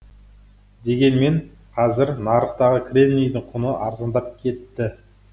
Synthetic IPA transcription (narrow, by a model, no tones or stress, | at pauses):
d̪e̞ɡʲe̞nme̞ɴ | qʰɑzɪɾnɑɾəqt̪ɑʁəkʰʲrʲe̞mlʲijd̪ɪɴqʰʊnəʔɑɾzɑnd̪ɑp̚kʲʰe̞t̪ːɪ